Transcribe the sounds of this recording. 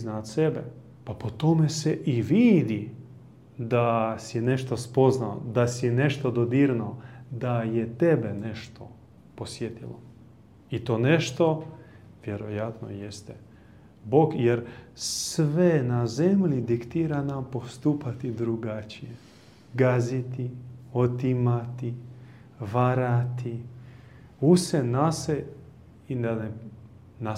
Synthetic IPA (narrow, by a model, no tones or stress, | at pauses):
znat̪sebe | papot̪o̞meseʔiʋiːd̪i | d̪asine̞ʃt̪ospo̞znao̰d̪asineʃt̪od̪od̪iːɾnod̪ajet̪ebeneʃt̪ʰo | posjet̪ilo̰ | it̪o̞ːneʃt̪o̞ | ʋjeɾojat̪no̰jest̪e | boɡjeɾsʋenazemlid̪ikt̪iːɾanampo̞st̪uːpat̪id̪ɾuɡat͡ʃije | ɡazit̪iot̪imat̪i | ʋaɾat̪i | usenase | inane | na